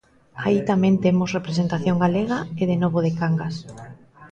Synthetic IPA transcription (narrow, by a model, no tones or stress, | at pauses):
ait̪amẽnt̪emosrepɾesent̪aθjoŋɡaleɣ̞aeð̞enoβoðekaŋɡas